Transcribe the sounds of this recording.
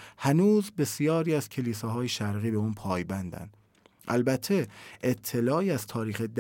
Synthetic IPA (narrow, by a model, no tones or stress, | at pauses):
hænuːzbe̞sijɒːɾiːæz̥cʰe̞liːsɒːɦɒːjeʃæɾɣiːbe̞uːnpʰɒːjbænd̪æ̰nd̥̪ | ʔæ̰lbæt̪ʰːe̞ʔet̪ʰːe̞lɒːiːæz̥t̪ʰɒːɾiːxed̪